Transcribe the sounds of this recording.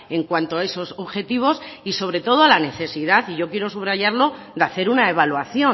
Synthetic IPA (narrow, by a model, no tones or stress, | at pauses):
e̞ŋkwant̪oae̞so̞soβxe̞t̪iβ̞o̞siso̞βɾe̞t̪o̞ð̞oalane̞θe̞siðaθiʝo̞kje̞ɾo̞suβɾaʝaɾlo̞ | d̪eaθe̞ɾunae̞β̞alwaθjo̞